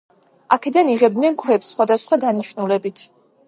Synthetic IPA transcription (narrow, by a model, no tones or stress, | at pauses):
akʰɛd̪aniʁɛbd̪nɛnkʰwɛpsːχwad̪asχwad̪aniʃnulɛbit̪ʰ